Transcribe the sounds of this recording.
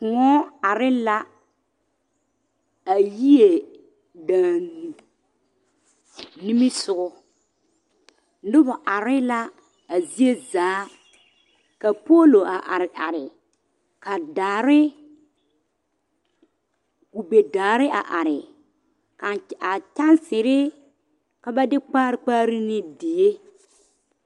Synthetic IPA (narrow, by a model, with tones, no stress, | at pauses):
kʊ˨ŋɔ˦a˨ɾɪ˦la˦ | a˨ji˦e˨ | dãː˨n˨ | ni˦mi˦sʊ˨ɣʊ˦ | dʊ˦bʊ˨ʔa˨ɾɪ˦la˦ | a˨zi˦e˦zaː˨˦ | ka˨po˦lo˨a˨ʔa˨ɾɪ˨ʔa˨ɾɪ˨ | ka˨daː˨ɾɪ˦ | ku˨be˨daː˨ɾɪ˦a̰˨ʔa˨ɾɪ˨ | ka˨a˨t͡ʃa˦nsɪ˨ɾɪ˦ | ka˨ba˦dɪ˦k͡paː˦ɾk͡paː˦ɾɪ˦nɪ˦dɪ˨je˦